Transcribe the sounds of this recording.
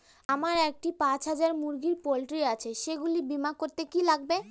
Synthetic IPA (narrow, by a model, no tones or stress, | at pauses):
amaɾek̚ʈipãt͡ɕɦad͡ʑaɾmuɾɡiɾpolʈɾiat͡ɕʰeʃeɡulibimakoɾt̪ekilaɡ̚be